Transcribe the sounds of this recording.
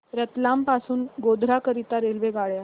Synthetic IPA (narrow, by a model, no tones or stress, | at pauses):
ɾət̪lampasuːnɡod̪ʱɾakəɾit̪aɾelʋeɡaɭja